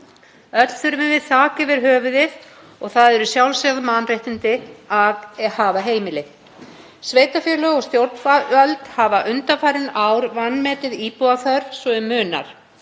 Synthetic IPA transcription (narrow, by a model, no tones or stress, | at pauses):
œt̪l̥θʏɾmɪvɪðθaːcɪvɪɾ̥ɦœːvʏðɪð | ɔɣθaðɛɾʏsjawlsaðmanrejht̪ɪnt̪ɪahaːvaɦeːjmɪlɪ | sveːjt̪afjɛɾlœɣɔɣst̪jowɾt̪nfavœlt̪havaʔʏnt̪afaːɾɪnawɾvanːmɛːt̪ɪðiːpuaθœɾ̥sɔɪmʏːna̰ɾ̥